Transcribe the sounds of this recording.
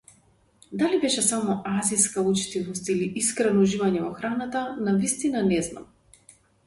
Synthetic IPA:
d̪alibɛʃɛsamɔʔaziskaut͡ʃi̥t̪ivɔst̪iliʔiskɾɛnɔuʒivaɲɛvɔxɾanat̪anavist̪inanɛzna̰m

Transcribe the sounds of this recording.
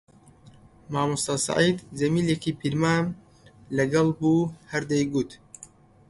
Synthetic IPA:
maːmust̪ɑsa̰ʕiːd̪zɐmiːlekiːpʰiɾmaːm | lɐɡɐlˠbuhɐɾd̪ejɡut̪

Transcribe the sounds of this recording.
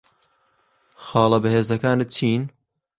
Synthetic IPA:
xɑːlˠɐbɨheːzɐkaːnɨt͡ʃʰiːn

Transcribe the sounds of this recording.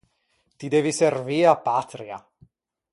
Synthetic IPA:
t̪id̪eːviserviːapːat̪ɾja̰

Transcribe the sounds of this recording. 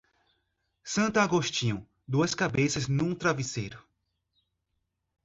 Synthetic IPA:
sɐ̃nt̪ɐaɡoʃt͡ʃĩũ | d̪uɐskabesɐznũt̪ɾavisejɾʊ

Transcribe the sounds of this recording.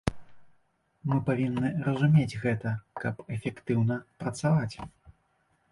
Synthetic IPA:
mɨpavʲinːɨɾɐzumʲed͡zʲɣɛt̪ɐkɐpɛfʲɛkt̪ɨwnɐpɾɐt̪savat͡sʲ

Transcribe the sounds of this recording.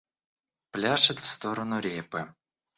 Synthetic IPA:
plʲaʃɪt̪ʲw̥st̪ɔɾɔnʊɾʲipɪ

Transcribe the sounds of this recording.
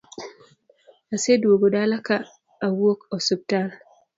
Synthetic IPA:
aseduoɡodalakaː | wokɔsub̚tal

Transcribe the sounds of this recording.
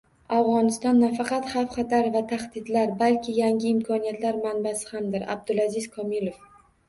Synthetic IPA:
avʁɒnɪst̪ɒnːafɑqɑt̪hɑfχɑt̪aɾvat̪ʰaχd̪ɪd̪laɾbalkʲʰɪjaŋɡɪɪmkʰɒnijat̪laɾmanbasɪ̥hamd̪ɪɾa̰b̚d̪ʊlazɪz̥kʰɒmilˠof

